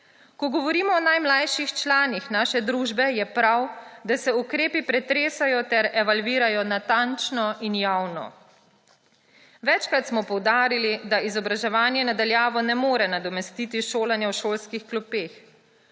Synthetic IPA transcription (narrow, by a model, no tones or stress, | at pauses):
kɔɡɔʋɔɾiːmɔːnajmlajʃixt͡ʃlaːnixnaːʃɛd̪ɾuːʒbɛjɛpɾawd̪asɛukɾeːpipɾɛt̪ɾeːsajɔt̪ɛɾɛʋalʋiːɾajɔnat̪ant͡ʃnɔʔinjawnɔ̰ | ʋɛt͡ʃkɾat̪smɔpɔwd̪aːɾilid̪aizɔbɾaʒɛʋaːnjɛnad̪aljaːʋɔnɛmoːɾɛnad̪ɔmɛst̪iːt̪iʃoːlanjɛwʃoːlskixklupeːx